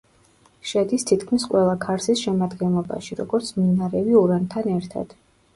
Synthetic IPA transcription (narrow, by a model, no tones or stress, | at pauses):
ʃɛd̪ist̪ʰit̪kʰmisqʼwɛlˠakʰaɾsisʃɛmad̪ɡɛnlˠɔba̰ʃiɾɔɡɔɾt̪sʰminaɾɛviuɾant̪ʰanɛɾt̪ʰa̰d̪̥